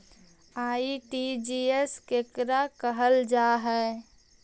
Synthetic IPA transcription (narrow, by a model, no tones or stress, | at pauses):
aːiʈid͡ʒiːeskeːkɾakəɦəld͡ʒaːɦɛ